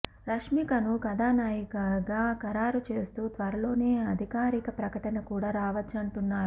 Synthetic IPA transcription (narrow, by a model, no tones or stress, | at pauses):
ɾɐʂmikɐnuɡɐd̪aːnaːjikɐɡaːkɐɾaːɾut͡ʃe̞ːst̪uːt̪ʋɐɾɐlo̞ːne̞ːɐd̪ʱikaːɾikɐpɾɐkɐʈɐnɐkuːɽaːɾaːʋɐt͡ʃːɐɳʈunːaːɾu